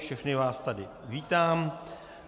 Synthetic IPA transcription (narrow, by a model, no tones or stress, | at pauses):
fʃɛxnɪvaːst̪adɪ | viːt̪aːm